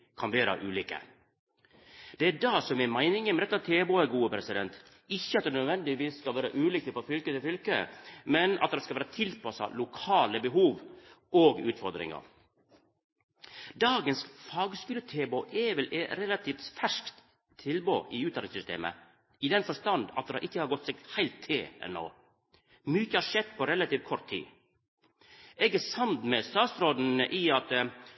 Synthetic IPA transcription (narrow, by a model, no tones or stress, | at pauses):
kʰɑnʋeːɾə̰ʔʉːliːkə̰ | d̪̥ɛæɖɑːsɔmɛmæɪnɪŋəmɛd̪ɛt̪ːɑt̪ʰeːboːæɡuːəpʰɾɛsɪd̪ɛnt̪ | ɪçːəɑt̪d̪ɛnœd̪ʋɛnd̪ɪʋiːsːkɑlʋeːɾə̰ʔʉːliːk̚t̪əfɔfʏlkət̪ɪlfʏlkəmɛnɑ̰t̪̚d̪ɑskɑlʋæːɾət̪ʰɪlpʰɑsɑ̰lʊkʰɑːləbəɦuːʋ | oːɡʉ̰ːt̪fɔɾd̪ɾɪ̰ŋə̰ɾ | d̪ɑːɡənsfɑːɡskʉːlət̪ʰeːboʔɛʋɛlɛɾɛlɑt̪ʰiːft̪fæʂkt̪ʰː | ɪlbo̰ːʔɪʉːt̪ɑnɪŋsʏst̪ḛːmə̰ | ɪd̪ɛnfɔʂt̪ɑnd̪ɑ̰t̪̚d̪ɛhɑɾʔɪkːəhɑːɾɡɔt̪ːsɛɡhæɪlt̪ʰːeːɛ̰nːo̰ː | myːçəhɑɾʂɛd̪pɔɾɛlɑt̪iːʋkʰɔɾt̪ʰːḭː | ɛɡæsɑnd̪mɛst̪ɑːt̪sɾoːd̪n̩ʔɪɑt̪